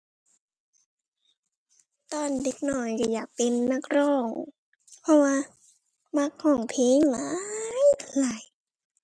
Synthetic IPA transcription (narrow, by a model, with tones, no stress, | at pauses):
t̪ɔː˧˩˨nde˧˩k̚nɔ˧˩jka˧˩jaː˨˩k̚pe˨nːa˧˥˩k̚ɾɔː˧˩ŋ | pʰɔ˧˥waː˧ | ma˧˥˩k̚hɔː˧˩ŋpʰeː˨˧˦ŋla˨˦jla˨˩˦j